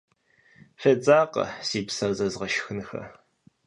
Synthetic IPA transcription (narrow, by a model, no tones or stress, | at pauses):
fɐt͡sʼaːqɐ̰siːpsɐzɐzʁɐʃxɨnxɐ̰